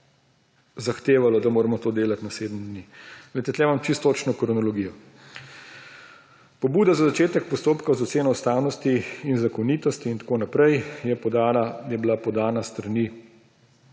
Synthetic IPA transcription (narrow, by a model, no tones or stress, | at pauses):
zaxt̪eːʋalɔd̪amoːɾɛmɔt̪oːd̪eːlat̪naseːd̪md̪nilɛjt̪ɛt̪lɛːʋamt͡ʃist̪ːot͡ʃnɔkɾɔnɔlɔɡiːjɔ | pɔbuːd̪azazat͡ʃeːt̪ɛk̚pɔst̪oːpkazɔt̪seːnɔust̪aːwnɔst̪iːnzakɔnit̪ɔst̪iːnt̪ḁkoːnapɾɛjjɛpɔd̪aːlajɛblapɔd̪aːnast̪ɾani